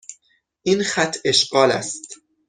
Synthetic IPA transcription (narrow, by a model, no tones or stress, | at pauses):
ʔinxæt̪ʰːe̞ʃɢɒːlæ̰st̪